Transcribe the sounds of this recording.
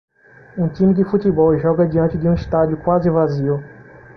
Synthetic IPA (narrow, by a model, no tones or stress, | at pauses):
ũt̪ĩmɪd̪ɪfut̪ibɔwʒɔɡɐd͡ʒiɐ̃t͡ʃɪdɪũiʃt̪ad͡ʒjʊkwazɪvaziw